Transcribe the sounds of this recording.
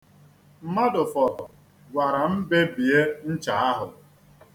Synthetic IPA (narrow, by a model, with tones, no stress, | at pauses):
m̩˦ma˦dʊ˨fɔ˨tɔ˨ | ɡʷa˨ɾa˨m̩˦be˦bi˨e˦n̩˦t͡ʃa˨a˦ɦʊ˨